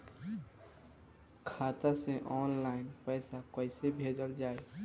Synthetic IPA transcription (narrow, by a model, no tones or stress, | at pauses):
kʰaːt̪aseʔɔːnlaːɪnpɛːsakəɪsebʱeːd͡ʒ̪əɾd͡ʒaːe